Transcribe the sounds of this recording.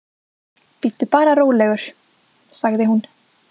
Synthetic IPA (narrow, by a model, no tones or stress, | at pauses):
pɪt̪ːʏpaːɾaɾoːwlɛɣʏɾ̥ | saɣðɪɦun